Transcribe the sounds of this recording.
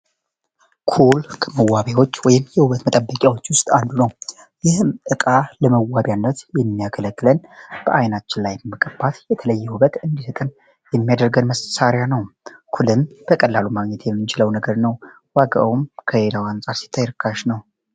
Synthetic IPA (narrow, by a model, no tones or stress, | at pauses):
kʰulkʰəməwːaβjawo̞t͡ʃːwɔjɪmjɛhuβət̪mət̪ʼəbːəkʼjawo̞t͡ʃːwʊst̪ʼand̪unəw | jɪhmʔɨkʼaləməwabjanːət̪jɛmːijaɡʰələkʼːɨlənb̥əʔajnat͡ʃːɪnlajɛmːəkʼəbːat̪jɛt̪ʰələjːɛhuβət̪ʼɨnd̪isɨt̪ʼɨn | jɛmːijad̪əɾɡənməssaɾjanəwkʰulɨmb̥əkʼəlːalumaɡɲɛt̪jɛmːɨnt͡ʃɪləwnəɡəɾnəw | waɡa̰wumkʰəjelawansʼaɾsi̥t̪ʰːajɾɨkʰːaʃnəw